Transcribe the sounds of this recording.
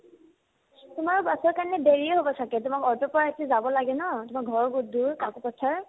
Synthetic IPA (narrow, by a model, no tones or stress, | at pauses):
tʊmaɹɔbasɔɹkaɹnɛbeɹiɛɦobɔsʰakɛtʊmakɔɹtɔpɔɹaetizabɔlaɡɛnɔtʊmaɡʱɔɹɔɡuduɹkakʊpɔtʰaɹ